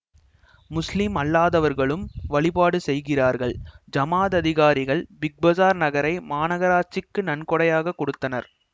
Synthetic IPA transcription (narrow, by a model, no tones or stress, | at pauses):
mʊslɪmɐlːaːðɐʋɐɾɣɐɭɯmʋɐɭɪpaːɽɯsɛjɣɪraːɾɣɐɭd͡ʒɐmaːðɐðɪɣaːɾɪɣɐɭbɪɡ̚bɐzaːɾnɐɣɐɾɐɪmaːnɐɣɐɾaːt͡ʃːɪkːɯnɐnkɔɽɐjaːɣɐkːɔɽɯt̪ːɐnɐɾ